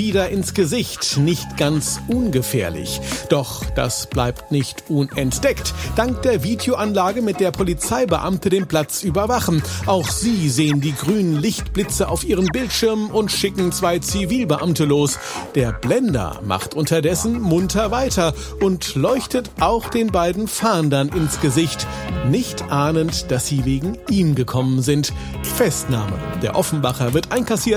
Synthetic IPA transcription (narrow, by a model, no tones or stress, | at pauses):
viːdɐɪnsɡ̥əzɪçtnɪçtɡ̥ant͡sʔʊnɡəfḛːɐlɪ̰çd̥ɔχd̥a̰sb̥la̰ɪptnɪçtʔʊnɛntd̥ɛktd̥aŋk̚td̥eːɐviːdejoʔanlaːɡəmɪt̚d̥eːɐpʰolit͡saɪbəʔa̰mtədeːnpʰl̥at͡sʔyːbɐvaχn̩ʔaʊxz̥iːzeːəndiːɡʁyːnənlɪçtb̥lɪt͡səʔaʊfʔiːʁ̞əmbɪltʃɪɐmʊntʃɪkŋ̩t͡sv̥aɪt͡siviːlbəʔamtəloːs | d̥eːɐblɛndɐ̰ma̰χtʔʊntɐdɛsn̩mʊntʰɐvaɪtɐ | ʔʊntlɔʏçtətʔaʊxd̥eːnbaɪdn̩faːndɐnɪnsɡ̥əzɪçt | nɪçtʔaːnəntd̥asz̥iːveːɡŋ̩ʔiːmɡəkʰɔmənzɪnt | fɛstna̰ːmə̰d̥eːɐʔɔfn̩vaχɐvɪɐtʔaɪnkasiːɐt